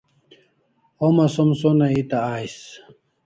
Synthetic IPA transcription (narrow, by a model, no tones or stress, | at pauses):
omɐsomsonɐit̪aaːjs